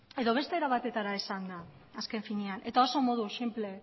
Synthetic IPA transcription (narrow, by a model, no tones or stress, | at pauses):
e̞ðo̞βe̞st̪eeɾaβat̪e̞t̪aɾaesand̪a | aske̞ɱfiniane̞t̪aoso̞mo̞ðusimple̞